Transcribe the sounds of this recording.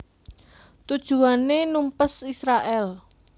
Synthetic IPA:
t̪ud̥ʒ̥ṳanenumpəsisɾaʔɛl

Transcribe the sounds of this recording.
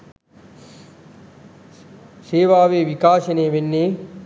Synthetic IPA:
seːʋaːʋeːʋikaːʃɐneːʋenːeː

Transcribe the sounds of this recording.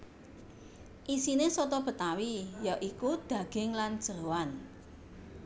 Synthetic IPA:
ʔisinesɔt̪ɔb̥ə̤t̪awijɔʔikud̪̥ä̤ɡ̥ɪŋland̥ʒ̥əwan

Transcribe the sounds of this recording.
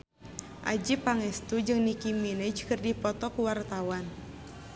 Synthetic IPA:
ʔa̰d͡ʒipaŋɛst̪ud͡ʒɨŋnikiminɛd͡ʒkɨrdipɔt̪ɔkuwart̪awan

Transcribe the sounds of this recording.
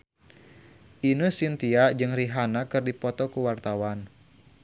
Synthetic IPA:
ʔinusint̪iad͡ʒɨŋriɦanakɨrdipɔt̪ɔkuwart̪awan

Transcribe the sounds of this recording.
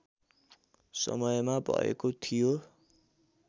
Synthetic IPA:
sʌ̰mʌjmabʱʌ̰ḛkot̪ʰijo

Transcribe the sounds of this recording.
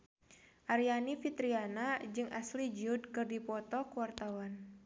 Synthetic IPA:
ʔaɾianifit̪ɾianad͡ʒɨŋʔa̰slid͡ʒud̚kɨrdipɔt̪ɔkuwart̪awan

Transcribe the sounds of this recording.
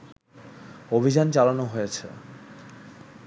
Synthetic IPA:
obʱid͡ʑant͡ɕalanoɦojet͡ɕʰḛ

